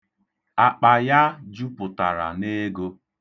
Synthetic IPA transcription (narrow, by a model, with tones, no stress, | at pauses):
a˨k͡pa˨ja˦d͡ʒu˦pʊ˨ta̰˨ɾa̰˨ne˦ɡo˦